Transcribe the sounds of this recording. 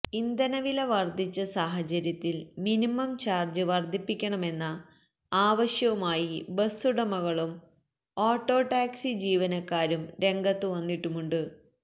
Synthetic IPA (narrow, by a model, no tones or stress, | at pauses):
ind̪ɐnɐʋilɐʋɐrd̪ʱit͡ɕːɐsaːɦɐt͡ɕɐɾjɐt̪ːilminimɐmt͡ɕaːrd͡ʑɨʋɐrd̪ʱipːikʲːɐɳɐme̞nːɐ | aːʋɐɕjɐʋumaːjibɐsuɽɐmɐɣɐɭum | oːʈːo̞ːʈːaːksid͡ʑiːʋɐnɐkːaːɾumɾe̞ŋɡɐt̪ːɨʋɐnːiʈːumuɳɖɨ